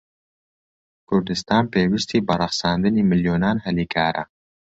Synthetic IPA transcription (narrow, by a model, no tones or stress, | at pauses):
kʊɾd̪ɪst̪ɑːnpewiʃt̪ibɑɾaxsɑnd̪ənimɪljonɑːnhalikʰɑːɾʔa̰